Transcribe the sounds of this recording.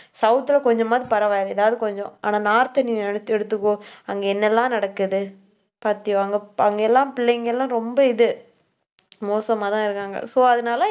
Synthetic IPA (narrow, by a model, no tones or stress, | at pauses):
sɐʊt̪ːɪlɐkɔɲd͡ʒɔ̃maːdðɾipɐɾɐʋaːjɾɐɛ̰ðaːʋɐðɯkɔɲd͡ʒɔ̃aːnaːnaːɾt̪ɐniɛɽɯt̪ːɛɽɯt̪ːɯkːõɐŋɡɐɛnːɛlːãːnɐɽɐkːɯðɯ | paːɾt̪ɪ̃jõɐŋɡɐɐŋɡeɛlːãːpɪlːɐɪŋɡɐɛlːãːɾɔmbɐɪðɯ | moːsɐmaːt̪ãːɪɾɯkːaːŋɡɐ̰soːɐðɯnaːlɐ